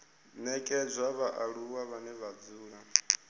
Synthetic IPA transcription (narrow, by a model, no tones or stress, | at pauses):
nɛkʼɛd͡zʷwaβaʔaɺuwaβanɛβad͡zuːɺa